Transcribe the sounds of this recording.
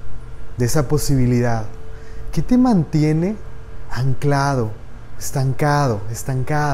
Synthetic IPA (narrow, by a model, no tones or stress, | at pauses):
d̪eesapo̞siβiliðaðket̪e̞mãnt̪je̞ne̞aŋklaðoest̪aŋkaðo̞est̪aŋka